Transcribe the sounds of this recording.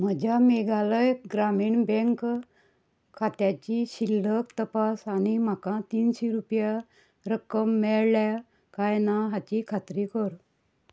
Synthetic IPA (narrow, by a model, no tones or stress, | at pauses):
m̤əd͡ʑʱameɡaləjɡɾamiːɳbẽŋk | kʰːat̪jat͡ɕiɕilːəkt̪əpasanim̤akãt̪iːnɕeɾupja | ɾəkəmːɛɭlja | kajnaɦat͡ɕikʰat̪ɾikəɾ